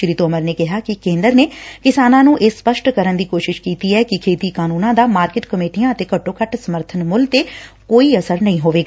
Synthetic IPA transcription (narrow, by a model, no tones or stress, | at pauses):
ʃɾiːt̪oːməɾneːkɪɦaːkɪkẽːnd̪əɾneːkɪsaːnãːnũːʔeːsːpəʃʈkəɾənd̪iːkoːʃɪʃkiːt̪iːɛːkɪkʰeːt̪iːkaːnũːnãːd̪aːmaːɾkɪʈkəmeːʈijãːət̪eːkəʈːõːkəʈsəməɾt̪ʰənmʊlt̪eː | koːiːəsəɾnəɦĩːɦoːʋeːɡaː